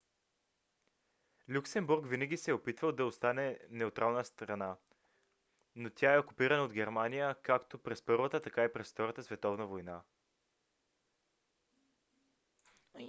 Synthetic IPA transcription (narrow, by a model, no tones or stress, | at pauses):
lʲuksɛmbuɾkvinəɡʲisɛopit̪vəlˠd̪ɐost̪anɛnɛot̪ɾʔalˠnəst̪ɾɐna | not̪ʲʰaɛokupiɾɐnəod̪ɡɛɾmanijəkakt̪opɾɛspɤɾvət̪ət̪ɐkaipɾɛsft̪ɔɾət̪əsvɛt̪ɔvnəvojna